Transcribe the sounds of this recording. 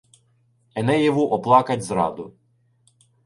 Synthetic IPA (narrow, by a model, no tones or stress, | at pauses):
ɛnɛjɛʋʊʔɔplˠɑkɐtʲzɾɑ̰d̪ʊ